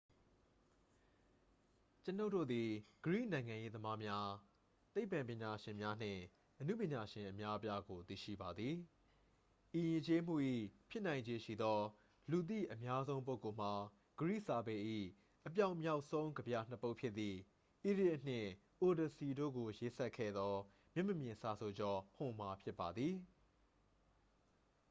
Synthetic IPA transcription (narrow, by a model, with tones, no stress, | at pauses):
t͡ɕə˦no˦ʊʔtːo̰˦˨d̪i˨ɡ̥əɹḭ˦˨nã˨ɪ̃ŋã˨je˦d̪əma˦mja˦ | t̪e˦ɪpːã˨mpjɪ̃˨ɲa˨ʃɪ̃˨mja˦n̥ɪ̰̃˦˨ | ʔənu˦˨pjɪ̃˨ɲa˨ʃɪ̃˨ʔəmja˦ʔəpja˦ɡo˨t̪ḭ˦˨ʃḭ˦˨ba˨d̪ði˨ | ʔi˨jɪ̃˨t͡ɕe˦m̥ṵ˦˨ʔḭ˦˨pʰjɪ˦ʔnã˨ɪ̃ɲd͡ʑe˦ʃḭ˦˨d̪ɔ˦ | lu˨t̪̬ḭ˦˨ʔə˨mja˦zõ˦ʊ̃mp̬o˦ʊ˨ko˨m̥a˨ | ɡ̥əɹḭ˦˨ʔsa˨bɛ˨ʔḭ˦˨ | ʔəp̬ja˦ʊ̃mja˦ʊʔsõ˦ʊ̃ŋɡəbja˨n̥ə˦po˦ʊʔpʰjɪ˦t̪ːi˨ | ʔi˦˨dɪ˦ʔn̥ɪ̰̃˦˨ | ʔo˨də˨si˨do̰˦˨ɡo˨je˦sɛ˦ʔkʰːɛ̰˦˨d̪ɔ˦ | mjɪ˦ʔmə˨mjɪ̃˨nsa˨sʰo˨d͡ʑɔ˦hʊ̃˨m̥a˨pʰjɪ˦pːa˨d̪ði˨